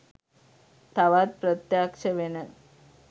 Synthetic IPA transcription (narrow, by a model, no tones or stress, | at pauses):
t̪ʰaʋat̪̚pɾət̪jakʂəʋenə